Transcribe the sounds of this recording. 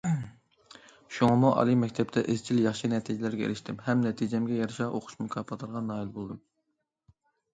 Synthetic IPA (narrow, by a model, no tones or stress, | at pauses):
ʃuŋɑmuʔɑ̰lˠimɛk̚ʲt̪ʰɛpt̪ʰɛʔɪz̥t͡ʃʰiljɑχʃinɛt̪ʰid͡ʒɛlæɾɡʲɛḛlɪʃt̪ʰɪmhɛmnɛt̪ʰid͡ʒɛmɡʲɛjɑɾɨʃɑʔoqʰʊ̥ʃmukʰɑpʰɑt̪ʰəɾʁɑnːɑːilˠbolˠd̪ɨm